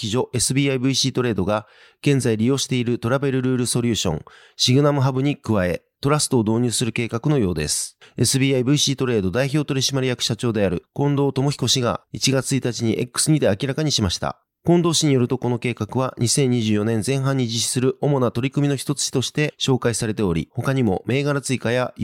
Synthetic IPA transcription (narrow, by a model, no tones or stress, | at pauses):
kʲiʑo̞ʔe̞sɨbʲiːaibɯ̟iɕiːt̪o̞ɾe̞ːd̪o̞ɡa | ɡ̥ẽ̞nzaiɾʲijo̞ːɕi̥t̪e̞iɾɯt̪o̞ɾabe̞ɾɯ̟ɾɯ̟ːɾɯ̟so̞ɾʲɯ̟ːɕõ̞̰ŋ | ɕiɡɯ̟namɯ̟ɦabɯ̟ɲ̟ikɯ̟βae̞̰ | t̪o̞ɾasɨ̥t̪oːd̪o̞ːɲ̟ɨːsɨɾɯ̟ke̞ːkakɯ̟no̞jo̞ːd̪e̞̰sɨ̥e̞sɨbʲiːaibɯ̟iɕiːt̪o̞ɾe̞ːd̪o̞d̪aiço̞ːt̪o̞ɾʲiɕimaɾʲijakɯ̟̥ɕat͡ɕo̞ːd̪e̞aɾɯ̟kõ̞nd̪o̞ːt̪o̞mo̞çʲi̥ko̞ɕiɡa̰it͡ɕiɡat͡sɨit̪at͡ɕiɲ̟iʔe̞̰kːɯ̥sɨɲ̟id̪e̞akʲiɾakaɲ̟iɕimaɕi̥t̪a̰ | kõ̞nd̪o̞ːɕiɲ̟ijo̞ɾɯ̟t̪o̞ko̞no̞ke̞ːkakɯ̟βaɲ̟isẽ̞ɲ̟ːiʑɨːjo̞nẽ̞nd͡zẽ̞ɰ̃ɦãɲ̟ːid͡ʑiɕi̥sɨɾɯ̟ʔo̞mo̞nat̪o̞ɾʲikɯ̟mʲino̞çʲi̥t̪o̞t͡sɨ̥t͡ɕi̥t̪o̞ɕi̥t̪e̞ɕo̞ːkaisaɾe̞t̪e̞oɾʲḭho̞kaɲ̟imo̞̰me̞ːɡaɾat͡sɨikaja